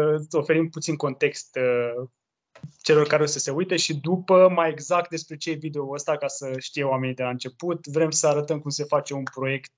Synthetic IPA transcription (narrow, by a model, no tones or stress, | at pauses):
o̞fe̞ɾimput̪sinko̞nt̪e̞kst̪ | t͡ʃe̞lo̞rkaɾeosəse̞ujt̪e̞ʃid̪upəmaje̞ɡzak̚t̪̚d̪espɾe̞t͡ʃeevid̪e̞oəst̪akasəʃt̪ijeowame̞nid̪elaɨnt͡ʃe̞put̪vɾe̞msəaɾət̪əmkumse̞fat͡ʃe̞unpɾo̞je̞kt̪̚